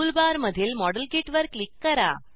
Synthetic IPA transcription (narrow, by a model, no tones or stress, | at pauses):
ulbaɾməd̪ʱiːlmɔɽəlkiʈʋəɾkːlikːəɾa̰